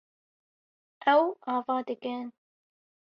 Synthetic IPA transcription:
ʔɛwɑːvɑːd̪ɨkɨn

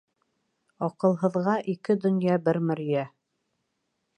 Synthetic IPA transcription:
ɑqɤ̆lˠɦɤ̆ðʁɑʔikɘd̪ɵ̆njɑbɘɾmɵ̆ɾjæ

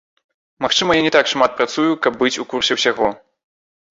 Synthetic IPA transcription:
maxt͡ʂɨmɐjanʲɛt̪akʂmat̪̚pɾat̪sujukɐb̚ːɨt͡sʲukursʲɛwsʲaɣɔ

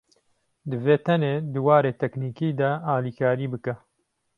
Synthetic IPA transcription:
d̪ɨveːt̪ʰɛneːd̪ɨwaːɾeːt̪ʰɛkniːkiːd̪ɐaːliːkʰaːɾiːbɨkɛ

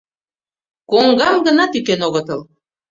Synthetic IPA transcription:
koŋɡɑmɡə̆nɑt̪ykenoɣət̪əl

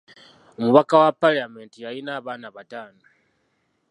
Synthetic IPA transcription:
umuβakawapalame̞ntijajinaːβanaβataːno

